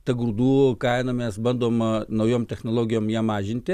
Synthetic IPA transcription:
t̪ɐɡɾuːd̪uːkɐɪnɐmʲɛsbɐnd̪oːmnɐʊjoːmt̪ʲɛxnoːlˠoːɡʲɪjoːmjiɛmɑːʒʲɪnʲt̪ʲɪ

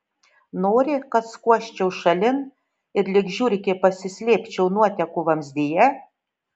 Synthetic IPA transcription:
noːɾʲɪkɐt̪skuɔʃʲt͡ʃʲɛʊʃɐlʲɪn | ɪɾlʲɪɡʒʲuːɾʲɪkʲepɐsʲɪsʲlʲeːpʲt͡ʃʲɛʊnuɔt̪ʲɛkʊʋɐmsd̪ʲejɛ

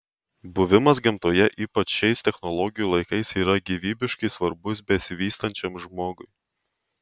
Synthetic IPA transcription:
bʊʋʲɪmɐsɡʲɪmt̪oːjɛʔiːpɐt͡ʃʃʲɛɪst̪ʲɛxnɔlˠɔɡʲɪjuːlˠɐɪkɐɪsiːɾɐɡʲiːʋʲiːbʲɪʃkɐɪsʋɐɾbʊs̬bʲɛsʲɪʋʲiːst̪ɐnʲt͡ʃʲɛmʒmoːɡʊɪ

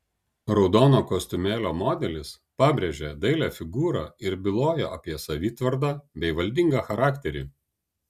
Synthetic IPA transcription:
ɾɒʊd̪oːnoːkosʲt̪ʲʊmʲeːlʲoːmoːd̪ʲɛlʲɪs | pɑːbʲɾʲeʒʲɛd̪ɐɪlʲæːfʲɪɡuːɾɑːɪɾbʲɪlˠoːjɛʔɐpʲiɛsɐʋʲiːt̪ʋɐɾd̪ɑːbʲɛɪʋɐlʲd̪ʲɪŋɡɑxɐɾɑːkt̪ʲɛɾʲḭː

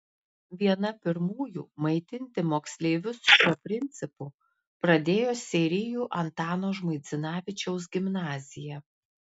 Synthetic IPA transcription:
ʋʲiɛnɐpʲɪɾmuːjṵːmɐɪt̪ʲɪnʲt̪ʲɪmoːksʲlʲeːʋʲʊsʃʲuɔpʲɾʲɪnʲt̪sʲɪpuː | pɾɐd̪ʲeːjoːsʲɛɾʲɪjuːʔɐnt̪ɑːnoːʒmɐɪt̪sʲɪnɑːʋʲɪt͡ʃʲɛʊs̬ɡʲɪmnɑːzʲɪjɛ

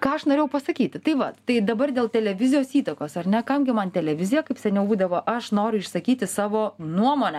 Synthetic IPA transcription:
kɑːɐʃnoːɾeːjɛʊpɐsɐkʲiːt̪ʲɪt̪ɐɪʋɐt̪ɐɪd̪ɐbɐrd̪ʲeːlˠt̪ʲɛlʲɛʋʲɪzʲɪjoːsiːt̪ɐkoːsɐrʲnʲɛkɐmɡʲɪmɐnt̪ʲɛlʲɛʋʲɪzʲɪjɛkɐɪpsʲɛnʲɛʊbuːd̪ɐʋoːʔɐʃnoːɾʲʊɪʃsɐkʲiːt̪ʲɪsɑːʋoːnuɔmoːnʲɛ

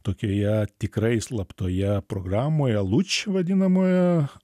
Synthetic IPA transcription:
t̪oːkʲoːjɛt̪ʲɪkɾɐɪslˠɐpt̪oːjɛpɾoɡrɑːmoːjɛlˠut͡ʃʲʋɐd̪ʲɪnɐmoːjɛ

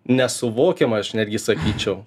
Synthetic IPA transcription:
nʲɛsʊʋoːkʲemɐɐʃnʲæːd̪ʲɡʲɪsɐkʲiːt͡ʃʲɛʊ

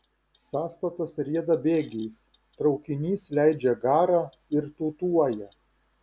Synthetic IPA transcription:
sɑːst̪ɐt̪ɐsɾʲiɛd̪ɐbʲeːɡʲɛjs | t̪ɾɒʊkʲɪnʲiːslʲæɪd͡ʒʲɛɡɑːɾɑː | ɪɾt̪uːt̪uɔjɛ

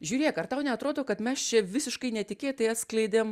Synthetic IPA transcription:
ʒʲuːɾʲeːkɐrt̪ɐʊnʲɛɐt̪ɾoːd̪oːkɐt̪mʲɛst͡ʃʲɛʋʲɪsʲɪʃkɐɪnʲɛt̪ʲɪkʲeːjt̪ɐɪɐt̪sklʲɐɪd̪ʲem

